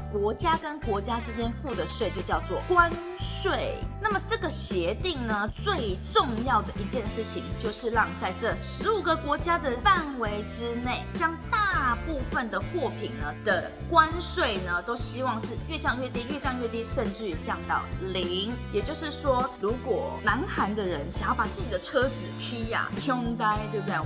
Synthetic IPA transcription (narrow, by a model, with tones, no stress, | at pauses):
kwɔ˧˥t͡ɕja˥kə˦nkwɔ˧˥t͡ɕja˥ʈ͡ʂɻ̩˥t͡ɕjɛ˥nfu˥˩d̪ə˨ʂwe˥˩ɪt͡ɕjo˥˧ʊt͡ɕjɑ˥˧ʊt͡swɔ˥˩kwa˦n | ʂwe˥˩ɪna˥˩mə˩ʈ͡ʂɤ˥˩ɡə˩ɕjɛ˧˦˥t̪i˥˩ŋnə˩t͡swe˥˧ɪʈ͡ʂʊ˥˧ŋjɑ˥˩ʊd̪ə˩ʔi˧˥t͡ɕjɛ˥˧nʂɻ̩˥˩t͡ɕʰi˨˩ŋt͡ɕjo˥˧ʊʂɻ̩˥˧lɑ˥˧ŋt͡sa˥˧ɪʈ͡ʂə˥˩ʂɻ̩˧˥u˨˩ɡə˨kwɔ˧˥t͡ɕja˥d̪ə˨fa˥˩nwe˧˥ɪʈ͡ʂɻ̩˥ne˥˩ɪt͡ɕjɑ˥ŋt̪a˥˧pu˥˩fə˨nd̪ə˩xwɔ˥˩pʰi˨˩ŋnə˩d̪̥ə̰˨ | kwa˦˥nʂwe˥˩ɪnə˨t̪o˥ʊɕi˥wɑ˥˧ŋʂɻ̩˥˧ɥɛ˥˧t͡ɕjɑ˥˧ŋɥɛ˥˧t̪i˥˧ɥɛ˥˧t͡ɕjɑ˥˧ŋɥɛ˥˧t̪i˥˧ʂə˥˧nʈ͡ʂɻ̩˥˩y˨˩t͡ɕjɑ˥˧˩ŋt̪ɑ̰˨˩ʊli˧˦ŋjɛ˨˩t͡ɕjo˥˧ʊʂɻ̩˥˩ʂwɔ˥ɻu˧˥kwɔ˨˩na˧˥nxa˧˥nd̪ə˨ɻə˧˦nɕɑ˨˩ŋjʊpa˨˩t͡sɹ̩˥˩t͡ɕi˨d̪ə˦ʈ͡ʂʰɤ˥t͡sɹ̩˨˩kʰi˥a̰˨˩t̪ʰjʊ˦˥ŋt̪a˥ɪt̪we˥˩bəd̪e˥˩